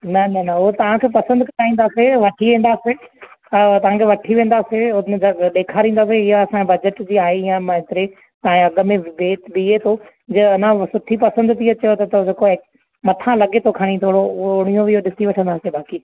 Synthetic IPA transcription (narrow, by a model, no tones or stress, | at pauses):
nɐnɐnɐʊɦot̪ɐʋ̤ãkʰeːpɐsə̃nd̪kɐʈaːĩːnd̪aːseʋɐʈʰiʋẽːnd̪aːse | t̪ɐʋ̤ãkʰeʋɐʈʰiʋẽːnd̪aːseʊnd͡ʑɐɗeːkʰaɾĩːnd̪aːseɪɦaɐsãbɐd͡ʑəʈd͡ʑiːaːɦejãmãɦɪt̪ɪɾe | t̪ɐẽɐɡmẽʋeːt̪biet̪ʰo | d͡ʑɐɐnãsʊʈʰipɐsə̃nd̪t̪ʰiɐt͡ɕɐjot̪ɐt̪od͡ʑeːkoe | mɐt̪ʰãlɐɠet̪ʰokʰaːɽ̃ĩt̪ʰoːɽoʊɽ̃ijõʋiɦoɗɪsiʋɐʈʰə̃nd̪aːsebaːkiː